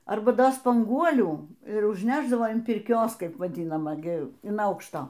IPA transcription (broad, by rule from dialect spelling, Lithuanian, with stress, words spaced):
ˈɐrbɐ ˈdoː spɐŋˈɡuɔlʲuː ɪr ʊʒʲnʲɛʒˈdɑːʋoː ɐn pʲɪrʲˈkʲoːs ˈkɐɪp ʋɐˈdʲɪnɐmɐ ˈɡʲɪ ɪn ˈɐʊkʃtoː